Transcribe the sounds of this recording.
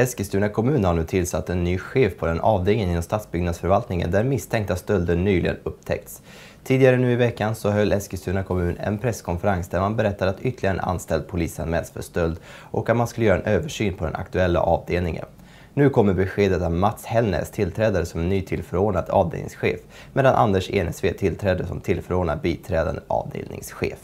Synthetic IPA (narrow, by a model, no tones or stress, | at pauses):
ɛskəst̪ʉnakʰɔmʉ̟ːnhaɳʉ̟ːt̪ʰɪlsat̪ːɛnːyːɧeːfpʰɔd̪ɛnʔɑːvd̪eːlnɪŋɪnɔmst̪ɑːt̪sbʏɡnad̪sfœɾvalt̪nɪŋə̰nd̪æɾmɪst̪ʰɛŋk̚t̪ast̪œld̪əɳːyːlɪɡə̰nɵp̚t̪ʰɛ̰k̚t̪s | t̪ʰiːd̪ɪɡaɾənʉ̟ːɪvɛkːansɔɦœlːɛskəst̪ʉːnakʰɔmʉ̟ːnɛ̰npʰɾɛskʰɔnfəɾansd̪æɾmanbɛɾɛt̪ːad̪at̪ʏt̪ʰːəlɪɡaəna̰nst̪ɛld̪̚pʰʊliːsa̰nmɛ̰lsfœ̰ʂt̪œld̪ʔɔkːat̪manskɵləjœːɾaɛnʔøːvəʂyːnpʰɔd̪ɛ̰na̰kt̪ɵɛlːa̰ʔɑːvd̪eːlnɪŋə̰n | nʉ̟ːkʰɔmːəɾbɛɧeːd̪ət̪avmat̪shɛlnɛ̰st̪ʰɪlt̪ʰɾɛːd̪aɾəsɔmɛnːyːt̪ʰɪlfœɾoːnad̪ɑ̰ːvd̪ḛːlnɪ̰ŋsɧḛːf | meːd̪anʔa̰nd̪əʂḛnɛsveːt̪ʰɪlt̪ʰɾɛːd̪əsɔ̰mt̪ʰɪlfœɾoːnad̪̚biːt̪ʰɾɛːd̪a̰nd̪əʔɑ̰ːvd̪ḛːlnɪ̰ŋsɧḛːf